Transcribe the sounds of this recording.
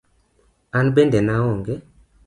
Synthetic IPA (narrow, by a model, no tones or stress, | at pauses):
anbendɛnawɔŋɡɛ